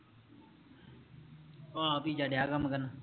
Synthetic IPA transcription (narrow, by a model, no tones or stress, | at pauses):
oːpiːd͡ʒaːɖjaːkəmkəna